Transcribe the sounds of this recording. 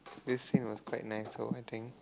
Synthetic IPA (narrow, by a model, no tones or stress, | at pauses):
d̪ɪsːĩnwɔskʰwaɪt̚naɪsːo̰aɪt̪ʰɪ̃ŋk